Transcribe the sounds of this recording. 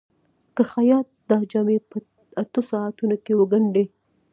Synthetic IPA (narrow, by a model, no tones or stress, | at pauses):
kəxajɑt̪̚d̪ɑd͡ʒɑmepə | at̪osɑat̪unokewəɡaɳɖe